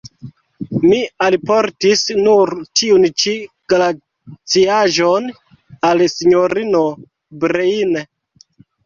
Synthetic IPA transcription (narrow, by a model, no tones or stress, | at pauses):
mialpoɾtisnuɾtiunt͡ʃi | ɡ̥la | t͡siaʒon | alsiɲoɾino̞ | bɾeine